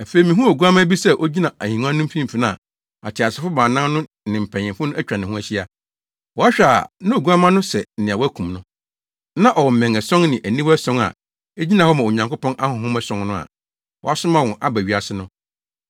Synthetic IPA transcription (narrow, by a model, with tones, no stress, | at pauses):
æ˨fe˨˦˨i˨mĩ˨ɦũ˦o˨ɡu˦ã˦mã˦bi˦sɛ˦ʔo˦d͡ʑi˦nã˨æ˨hĩ˨˦ã˦nʊ̃˦m̩˦fĩ˦m̩˨fi˨nã˦a˨ | a̰˨tʰɪ˨a˨sɪ˨˦fʊ˦bãː˨nã˦nʊ̃˦ | nɪ̃˨m̩˨pʰɛ̃˨ɪ̃˨mfʊ˦nʊ̃˦æ˦t͡ɕᶣa˨nɪ̃˨hũ˦æ˨ɕi˦a˨ | wɔ˨˦a˦ɕᶣa˨nã˦o˨ɡu˦ã˦mã˦nʊ̃˦sɛ˨n̩˨nɪ̃˨a˨wɔ˦æ˦kʰũ˨mnʊ̃˦ | nã˦ʔɔ˨wɔ˨m̩˨mɛ̃˨ŋæ˨sɔ̃˦ŋnɪ̃˨ʔæ˨nĩ˦wsɔ̃˦ŋa̰˨ | e˦d͡ʑi˦nã˨hɔ˦mã˨o˨ɲã˨ŋkʊ˦pʰɔ̃˦nʔa˦hʊ̃˨hʊ̃˦mɛ˦sɔ̃˦ŋnʊ̃˦a̰˨ | wɔ̰˨a˦sʊ̃˦mã˦wɔ̃˨ʔa˦bæ˨ɥi˨a˨sɪ˦nʊ̃˦